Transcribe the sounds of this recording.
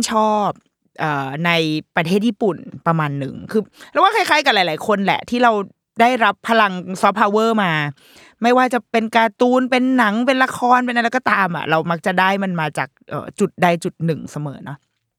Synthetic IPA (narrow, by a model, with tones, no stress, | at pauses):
t͡ɕʰɔː˥˩p̚ | ʔɤː˨˩na˧jpɾa˧t̪ʰeː˥˩jiː˥˩pu˨˩npɾa˧maː˧nːɯ̰˨˩ŋkʰɯː˧ɾɛ˦˥wa˥˩kʰa˥˩jkʰaː˥˩jka˨˩laː˨˦jlaː˨˦jkʰo˧nlɛ̰˨˩ʔt̪ʰiː˥˩ɾa˧w | daː˥˩jɾa˦˥pʰːa˧la˧ŋsɔː˦˥pʰːaː˧wɤː˥˩maː˧ | ma˥˩jwaː˥˩t͡ɕa˨˩pe˧nkaː˧t̪uː˧npe˧nːa˩˦ŋp̬e˧nla˧kʰɔː˧npe˧nʔa˧la˧˦jkɔː˧t̪aː˧mʔa̰˨˩ʔɾa˧wma˦˥k̚t͡ɕa˨˩daː˥˩jma˧nmaː˧t͡ɕa̰ː˨˩k̚ʔɤ̰ː˨˩t͡ɕu˨˩t̪̚daː˥˩jt͡ɕu˨˩t̪̚nɯ˨˩ŋsa˧mɤ̰ː˩˦nɔ˦˥